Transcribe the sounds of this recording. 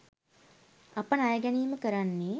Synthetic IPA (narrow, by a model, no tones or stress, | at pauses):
ɐpənajəɡɛniːməkəɾanːeː